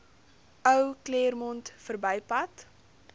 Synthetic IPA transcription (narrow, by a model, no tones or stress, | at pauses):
ʔœwkleːrmɔntfərbɛjpɐt